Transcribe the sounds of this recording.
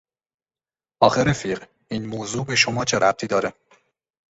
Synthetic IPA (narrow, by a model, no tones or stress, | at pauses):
ʔɒːxeɾefiːɢ | iːnmoːzuːbe̞ʃomɒːt͡ʃʰe̞ɾʔæp̚t̪ʰiːd̪ɒːɾe